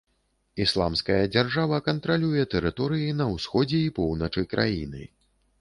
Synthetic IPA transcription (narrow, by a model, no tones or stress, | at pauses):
islˠa̰mskɐjɐd͡zʲarʐavɐkɐnt̪ɾalʲujɛt̪ɛɾɨt̪ɔɾɨjinɐwsxɔd͡zʲɛipɔwnɐt͡ʂɨjkɾʔa̰jḭnɨ̰